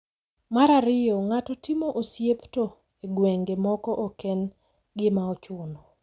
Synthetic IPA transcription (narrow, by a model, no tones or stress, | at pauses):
maɾaɾɪjɔŋatɔtimoʔosjepto | eɡweŋɡemɔkɔʔokɛn | ɡɪmaɔt͡ʃʊnɔ